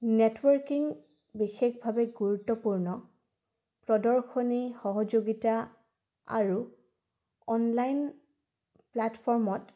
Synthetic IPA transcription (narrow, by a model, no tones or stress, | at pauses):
netwɔɹkiŋ | bixexbʱabɛɡuɹutːɔpuɹnɔ | pɹɔdɔɹxɔnixɔɦɔd͡ʒoɡita | a̰ɹu | ɔnlajn | platfʰɔɹmɔt